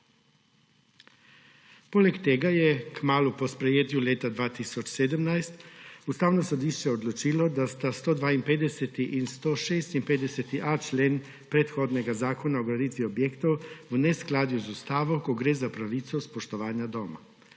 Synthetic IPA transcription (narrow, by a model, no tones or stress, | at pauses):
poːlɛkt̪eːɡajɛkmaːlupɔspɾɛjeːt̪juleːt̪ad̪ʋaːt̪iːsɔt͡ʃseːd̪əmnajst̪ust̪aːwnɔsɔd̪iːʃt͡ʃɛɔd̪lɔt͡ʃiːlɔd̪ast̪ast̪oːd̪ʋaːinpeːd̪ɛsɛt̪iʔinst̪oːʃeːst̪inpeːd̪ɛsɛt̪iʔat͡ʃleːn | pɾɛt̪xoːd̪nɛɡazaːkɔnaɔɡɾaniːt̪ʋiɔbjeːkt̪ɔwwnɛsklaːd̪juzust̪aːʋɔkɔɡɾeːzapɾaʋit̪sɔspɔʃt̪ɔʋaːnjad̪ɔːma̰